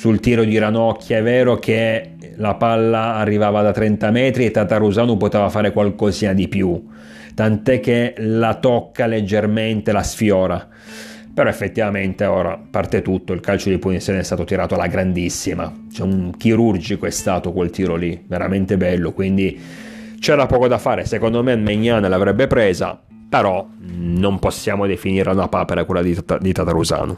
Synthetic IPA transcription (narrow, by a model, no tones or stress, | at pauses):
sult̪iːɾod̪iɾanɔkʰʲːjaɛvːɛːɾok̟ʰe | lapalːaːrːivaːvad̪at̪ɾɛnt̪amɛːt̪ɾiet̪ːat̪aruzaːnopot̪eːvafaːɾekwalkoziːnad̪ipju | t̪ant̪ɛk̟ːelat̪ɔkːaled͡ʒːerment̪elasfjɔːɾa | peɾɔefːet̪ːivament̪eoːɾa̰part̪et̪ut̪ːoilkalt͡ʃod̪ipunit̪sjɔːneɛst̪aːt̪ot̪iɾaːt̪oalaɡɾand̪isːima̰ | t͡ʃɛuk̟iɾurd͡ʒikoɛst̪aːt̪okwelt̪iːɾoliveɾa̰ment̪ebɛlːokwind̪i | t͡ʃɛːɾapɔːkod̪afaːɾesekond̪omenmeɲːaːnalavɾɛbːepɾeːza̰ | peɾɔ | nomposːjaːmod̪efiniːɾaunapaːpeɾakelːad̪id̪it̪at̪aɾuza̰ːno̰